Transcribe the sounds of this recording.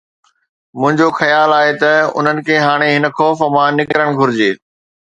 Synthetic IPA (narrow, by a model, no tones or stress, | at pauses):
mʊ̃ɦɪ̃ɲd͡ʑoxɐjaːlaːɦet̪ɐʊ̰n̤ənɪ̆kʰeːɦaːɽ̃eɦɪnə̆xɔːfəmãnɪkɾəɽ̃ɡʱʊɾɪd͡ʑeː